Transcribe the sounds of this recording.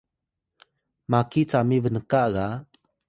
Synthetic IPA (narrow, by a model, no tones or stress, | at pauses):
makit͡samivənəkaɣa